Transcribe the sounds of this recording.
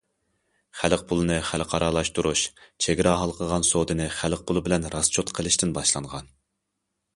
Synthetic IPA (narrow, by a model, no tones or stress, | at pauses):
χælq̚pʰʊlˠɨnɨχælqʰɑɾɑlˠɑʃt̪uɾuʃt͡ʃʰeɡʲɪɾɑɦɑlˠqʰəʁɑnsod̪ɨnɨχælq̚pʰʊlˠɨbɪlɛnɾɑst͡ʃʰot̪qʰəlˠɪʃt̪ɪnbɑʃlˠɑɴʁɑn